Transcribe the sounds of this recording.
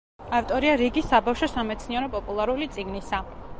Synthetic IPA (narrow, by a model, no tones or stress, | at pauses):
aft̪ʼɔɾiaɾiɡisabafʃɔsamɛt̪sʰniɛɾɔpʼɔpʼulˠaɾulit̪sʼiɡnisa